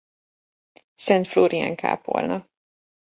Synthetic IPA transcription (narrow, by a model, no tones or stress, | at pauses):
sɛnt̪floːɾiaŋka̰ːpo̰lnɒ